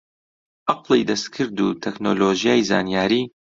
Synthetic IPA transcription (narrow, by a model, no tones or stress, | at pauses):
ʔɑqlˠḭd̪ɐst̪kʰɨɾd̪ut̪ʰɛknoːloːʒijaːjza̰ːnijaːɾiː